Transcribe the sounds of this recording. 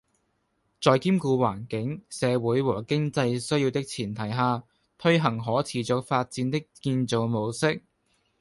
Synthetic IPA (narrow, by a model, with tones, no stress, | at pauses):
t͡sɔː˨˧jkiː˥mkuː˧waː˨˩nkɪ˨˥ŋsɛː˨˧wuː˨˥jwɔː˨˩kɪ˥ŋt͡sɐ˧jsɵ˥wjiː˧wt̪ɪ˥k̚t͡sʰiː˨˩nt̪ʰɐ˨˩jɦaː˨˧ | t̪ʰɵ˥ɥɦɐ˨˩ŋɦɔː˨˥t͡sʰiː˨˩t͡sʊ˧k̚faː˧t̚t͡siː˨˥nt̪ɪ˥kːiː˧nt͡so˨˧wmo˨˧wsɪ˥k̚